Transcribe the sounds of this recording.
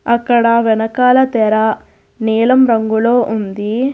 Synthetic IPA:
ɐkːɐɽɐʋɛnɐkaːlɐt̪ɛɾɐ | nɛːlɐmɾɐŋɡulo̞ːʔund̪i

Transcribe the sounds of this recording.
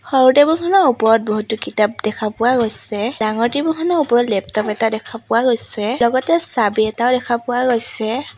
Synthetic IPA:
xɔɹutebɔnkʰɔnɔupɔɹɔt̚bɔɦutukitap̚dɛkʰapʊwaɡojsɛdaŋɔɹtibɔnkʰɔnɔupɔɹɔtlɛp̚tɔpɛtadɛkʰapʊwaɡojsɛlɔɡɔtɛsabiɛtaʊdɛkʰapʊwaɡojsɛ

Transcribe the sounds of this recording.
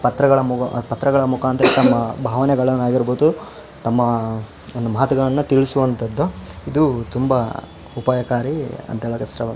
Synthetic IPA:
pɐt̪ɾɐɡɐɭɐmupɐt̪ɾɐɡɐɭɐmukʰaːnt̪ɐɾet̪ɐmːɐbʱaːʋɐnɛɡɐɭɐnːaːɡiɾboːd̪u | t̪ɐmːɐ | ond̪umaːt̪ɐɡɐɭɐnːut̪iɭisuʋɐnt̪ʰɐd̪ːuid̪ut̪umbɐ | upaːjɐkaːɾiɐ̰nt̪ɛɭɐkɐst̪ɾɐʋɐ

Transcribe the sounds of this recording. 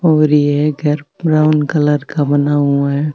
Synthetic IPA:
ɦoːɾiɦɛɡʱəɾɾaːʊnkələɾkabənaːuɦɛ

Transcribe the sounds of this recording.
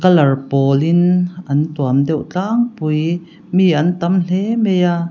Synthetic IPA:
kɐlɐrpɔːlɪnʔɐntuɐmdɛwt͡ɬaːŋpuj | miʔɐnt̪ɐml̥ɛmejaː

